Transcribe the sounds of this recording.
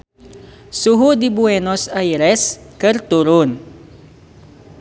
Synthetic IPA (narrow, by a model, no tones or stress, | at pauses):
suɦud̪ibuɛnosajɾɛskəɾt̪uɾʊn